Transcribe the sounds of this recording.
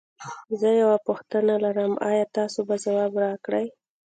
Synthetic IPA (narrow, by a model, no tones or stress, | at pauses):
zəjawapʊxt̪ənalaɾəmɑ̰jɑt̪ɑsobazawɑbɾɑkɽəj